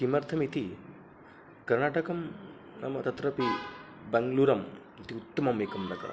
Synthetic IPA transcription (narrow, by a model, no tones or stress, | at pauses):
kimɐɾt̪ʰɐmit̪ʰi | kɐɾnaːʈɐkɐm | nɐ̰mɐt̪ɐt̪ɾɐpi | bɛŋɡluːɾɐm | it̪iut̪ːɐmɐmekɐmɾɐkɐ̰ɾɐ̰